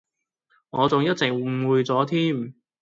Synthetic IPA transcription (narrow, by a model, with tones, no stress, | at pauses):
ŋɔː˨˧t͡sʊ˨ŋjɐ˥t̚t͡sɪ˨ŋ˨wuː˨˧jt͡sɔː˨˥t̪ʰiː˥m